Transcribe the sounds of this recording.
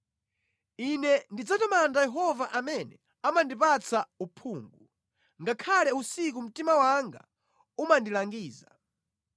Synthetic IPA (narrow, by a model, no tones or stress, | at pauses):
inɛndid͡zatɔmandajɛɦɔvaʔamɛnɛ | amandipat͡sʰaupʰuːŋɡu | ŋɡakʰalɛusik̬um̩timawaŋɡa̰ | umandilaŋɡiːza